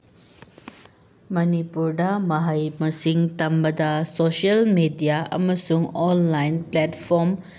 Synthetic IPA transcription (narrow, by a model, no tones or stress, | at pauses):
mɐnipuɾdɐmɐɦɐjmɐsiŋt̪ɐmbɐdɐsosiɐlmedijaɐ̰mɐsuŋɔnlajnpletpʰɔɾm